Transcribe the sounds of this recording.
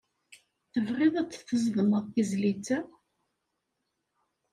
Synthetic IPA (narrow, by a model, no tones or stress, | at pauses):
θəvʁɪðˤæt͡sːθəzvənəðθizlit͡sːæ